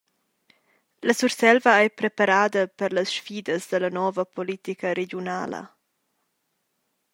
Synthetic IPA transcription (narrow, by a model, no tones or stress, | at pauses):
ləsuɾsɛlvəajpɾepaɾaːd̪əpəɾləsʃfiːd̪əsd̪əlɐnɔvəpolit̪ikəɾeɟjuna̰ːlə̰